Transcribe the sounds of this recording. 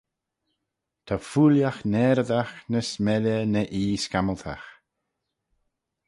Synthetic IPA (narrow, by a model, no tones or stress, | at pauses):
t̪ʰafuːljaxnɛːɾəd̪axnəsmɛlənəʔiːskaməlt̪ʰa̰x